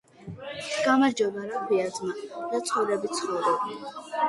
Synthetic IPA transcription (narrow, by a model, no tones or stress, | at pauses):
ɡ̥amaɾd͡ʒɔbaɾakʰwiad̪zmad̪̥at̪sʰʼχɔɾɛbit̪sʰχɔɾɔba